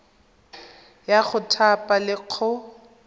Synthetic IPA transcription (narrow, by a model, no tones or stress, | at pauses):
jaχʊtʰapʼalɪq͡χʰɔ